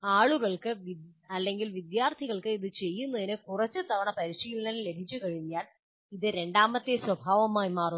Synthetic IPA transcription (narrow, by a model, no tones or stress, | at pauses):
aːɭuɣɐɭkɨʋiɐlːe̞ŋɡilʋid̪jaːrt̪ʰiɣɐɭkɨiðɨt͡ɕe̞jːunːɐðinɨkurɐt͡ɕːɨt̪ɐʋɐɳɐpɐɾiʂijilnɐnle̞b̪ʱit͡ɕːukɐɻiɲːaːɭ | iðɨɾe̞ɳɖaːmɐt̪ːeswɐbʱaːʋɐmaːjimaːr